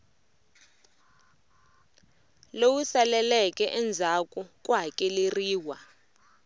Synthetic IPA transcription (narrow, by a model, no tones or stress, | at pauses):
lowusalɛlɛkʼɛʔɛnd͡zʱakʼukʼwakʼɛleriːwa